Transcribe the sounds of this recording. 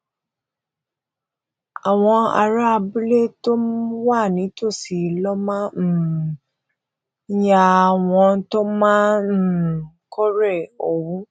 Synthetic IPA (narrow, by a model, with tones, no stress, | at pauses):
a˨w̃ɔ̃˧a̰˧ɾa˦˧bu˦le˦to˦wa˦˨nĩ˨˦to˦˨si˨lɔ˦mãː˦˨˦ | ja˧˨w̃ɔ̃˧to˦mãː˦˨ | kʰɔ˦ɾɛ˦˨o˨wũ˨˦